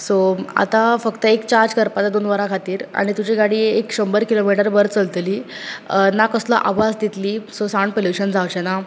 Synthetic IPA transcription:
soa̰t̪afəkt̪əekt͡ɕaɾd͡zkəɾpat͡s̪ad̪onʋəɾakʰat̪iːɾa̰ɽ̃it̪ud͡ʑiɡaɽiːekɕəmbəɾkilomiʈəɾbəɾt͡səlt̪liː | nakəslaʔaʋad͡zd̪it̪liːsosaɳpoljuɕənd͡zawt͡ɕena

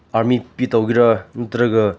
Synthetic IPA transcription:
aɾmipit̪awɡiɾɐnut̪ɾɐɡɯ

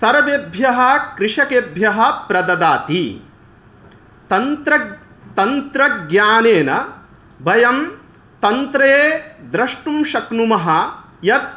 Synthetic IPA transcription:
sɐɾʋebʱjɐɦɐ̆kɾɪʂɐkeːbʱjɐɦɐ̆pɾɐd̪ɐd̪aːt̪i | t̪ɐnt̪ɾɐ | t̪ɐnt̪ɾɐɡɲaːneːnɐ | bʱɐjɐm | t̪ɐnt̪ɾeːd̪ɾɐʂʈumʃɐknumɐɦɐ̆ | jɐt̪̚

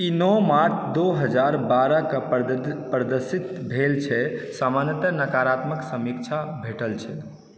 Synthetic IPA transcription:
inɔmaɾt͡ʃʰd̪oɦəd͡ʒaɾbaɾəkəpɾəd̪əɾsit̪bʱelt͡ʃʰɛsamanjət̪ənəkaɾat̪məksəmikt͡ʃʰabʱeʈəlt͡ʃʰɛ

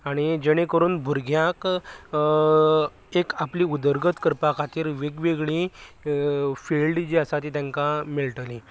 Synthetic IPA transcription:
aɽ̃id͡ʑəɽ̃ekəɾuːnbʱuɾɡjak | ekapliud̪əɾɡət̪kəɾpakʰat̪iːɾʋeɡʋeɡɭi | filɖd͡ʑeəsat̪it̪jãŋkamiɭʈəlĩ

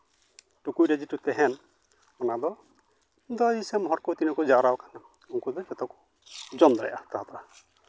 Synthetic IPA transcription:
ʈukujɾɛd͡ʒitut̪ɛɦɛn | ɔnad̪ɔ | d̪ɔjisɛmɦɔɾkɔwt̪inɔkɔd͡ʒaɾawkana | uŋkud̪ɔd͡ʒɛt̪ɔku̥ | d͡ʒɔmd̪ɾa̰jʔat̪aɦat̪aɾa

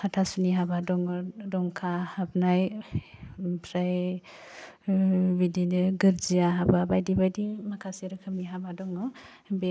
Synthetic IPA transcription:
kʰatʰasuniɦabadɔŋdɔŋkʰahap̚naj | pʰɾaj | bidinɯɡɯɾd͡ʒiaɦababajdibajdimakʰaseɾɯkʰɯmiɦabadɔŋɔ | be

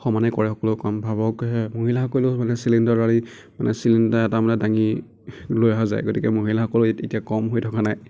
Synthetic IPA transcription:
xɔmanɛkɔɹɛxɔkɔlʊkɔmbʱabɔkɦɛmoɦilaxɔkolʊmanɛsilindɔɹali | manɛ̰silindaɛtamɔtɛdaŋi | lojaɦaza̰jɡotikɛmoɦilaxɔkɔlʊtetijakɔmɦojtʰɔkanaj

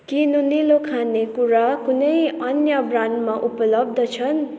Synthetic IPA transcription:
kinunilokʰanekuɾakunʌjʌnjʌbrandmaʔupʌlʌb̚d̪ʌt͡sʰʌn

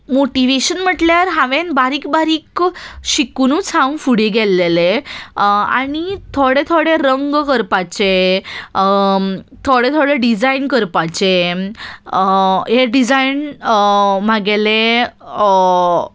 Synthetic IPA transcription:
moʈiʋeɕənm̤əʈljaɾɦãʋẽnbaɾiːkbaɾiːkɕikunũt͡sʰãw̃fuɽiɡɛlːele | a̰ɽ̃it̪ʰoɽet̪ʰoɽeɾəŋɡkəɾpat͡ɕe | t̪ʰoɽet̪ʰoɽeɖid͡zainkəɾpat͡ɕe | jeɖid͡zain | maɡele

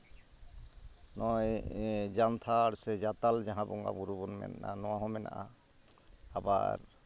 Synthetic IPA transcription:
nɔjd͡ʒant̪ʰaɾsɛd͡ʒat̪ald͡ʒaɦãbɔŋɡa̰buɾubɔnmɛ̰nanɔwaɦɔmɛna̰ʔa | aba̰ɾ

